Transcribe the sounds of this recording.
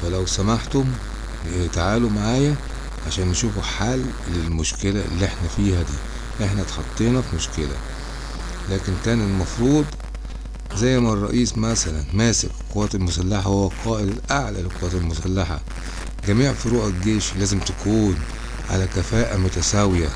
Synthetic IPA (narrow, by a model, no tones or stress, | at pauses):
fælæwsæmaħt̪om | t̪aʕaːlumaʕaːjæ | ʕaʃæːnːeʃuːfuħalː | elmʊʃkelæ̰lːiʔeħnæfiːhæd̪ḭː | ʔeħnæt̪ħɑt̪ˤːiːnɑfimoʃkelæ̰ | læːkenkæːnelmɑfɾˤuːd̪ˤ | zæjːmærˤːɑ̰ʔiːsmæsælænmæːsekqowːæːt̪elmʊsælːaħahowːæqʰɑːʔɪd̪elʔaʕlælelqowæːt̪elmʊsælːaħa̰ | ɡæmiːʕfiɾuːħelɡeːʃlæːzemt̪ækuːn | ʕa̰lækæfæːʔæmʊt̪æsæwjæ